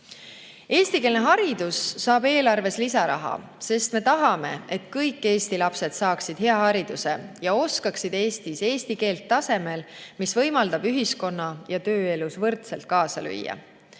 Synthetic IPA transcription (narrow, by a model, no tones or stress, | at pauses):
e̞ːst̪ike̞ːlne̞ɦɑɾid̪̥usːɑːbe̞ːlɑrve̞slisɑɾɑ̰ɦɑ̰ | se̞st̪me̞t̪ɑɦɑme̞et̪kɤjkːe̞ːst̪ilɑpse̞d̪̥sɑːksid̪̥ɦe̞ɑhɑɾid̪̥use̞̰jɑo̞skɑksid̪e̞ːst̪ise̞ːst̪ike̞ːlt̪ːɑse̞me̞l | misvɤ̞jmɑld̪̥ɑb̥yɦisko̞nːɑjɑt̪ø̞ːe̞lusvɤrt̪selt̪̚kɑːsɑly̰jːɑ̰